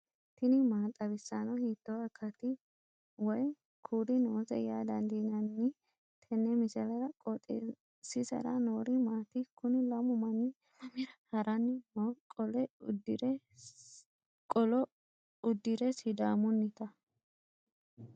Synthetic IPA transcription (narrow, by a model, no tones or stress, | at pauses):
t̪ɪnɪmaːt̪ʼɐβɪsːanɐhiːt̪ːɔɐkʰːɐt̪ɪ | wɔj | kʰuːd̪ɪnoːzɛ̰jaːd̪ɐnd̪inɐnːɪ | t̪ʰɛnːɛmɪsɛlɐɾɐkʼɔt̪ʼḛ | sɪsɐ̰ɾɐnoːɾɪmaːt̪ɪkʰʊnɪlɐmʊmɐnːɪ | ɐmɪɾɐhɐɾɐnːɪnokʼɔlɛʊd̪ɾɛ | kʼɔlɔ | ʊd̪ːɪɾɛsɪd̪aːmʊnːɪt̪ɐ